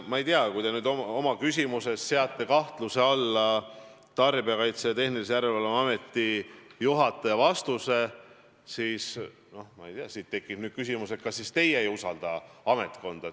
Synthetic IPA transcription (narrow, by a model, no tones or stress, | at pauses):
mɑejt̪eɑkujd̪enyːd̪omo̞mɑkysʲimuse̞sːeɑt̪ːˑe̞kɑht̪luse̞ɑlːɑ | t̪ɑrbeɑkɑjt̪set̪e̞hnilisejæɾelvɑlemɑme̞t̪ːijuɦɑt̪ːˑɑjɑvɑst̪use̞ | siːs | no̞hmɑejt̪eɑsiːt̪ːe̞kːˑinyːd̪̥kys̬ʲimuse̞t̪̚kɑsːist̪e̞jeejusɑld̪̥ɑɑme̞t̪ˑko̞nd̪̥ɑ